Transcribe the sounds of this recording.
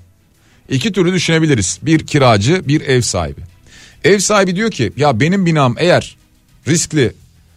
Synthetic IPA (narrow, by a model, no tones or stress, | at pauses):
icit̪ʰyɾlʲyd̪yʃyne̞bilʲiɾiz̥biɾcʰiɾaːd͡ʒɯbiɾɛvsa̰ːhḭbɪ | ɛvsaːhibid̪ijo̞ɾcʰijabe̞nimbinaːɯme̞jæɾ̥ː | isclʲɪ